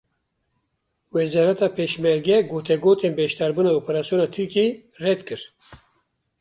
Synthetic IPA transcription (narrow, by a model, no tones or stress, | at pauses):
wɛzɑːɾɛt̪ɑːpʰeːʃmɛɾɡɛɡoːt̪ʰɛɡoːt̪eːnbɛʃt̪ɑːɾbuːnɑːoːpɛɾaːsijoːnɑːt̪ʰɨɾkeː | rɛd̪kɨɾ